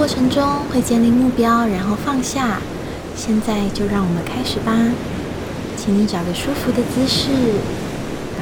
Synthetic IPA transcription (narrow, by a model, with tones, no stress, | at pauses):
kwɔ˥˩ʈ͡ʂʰɤ˧˥ŋʈ͡ʂʊ˥ŋxwe˥˧ɪt͡ɕjɛ˥˧nli˥˧mu˥˩pjɑ˥ʊɻa˧˥nxo˥˧ʊfɑ˥˧ŋɕja˥˩ | ɕjɛ˥˧nt͡sa˥˧ɪt͡ɕjo˥˧ʊɻɑ˥˩ŋwɔ˨˩mə˦nkʰa˥ɪʂɻ̩˨˩bɐ˧˩ | t͡ɕʰi˧˥ŋni˧˥ʈ͡ʂɑ˨˩ʊɡə˧˥ʂu˥fu˧˥d̪ə˨t͡sɹ̩˥ʂɻ̩˥˩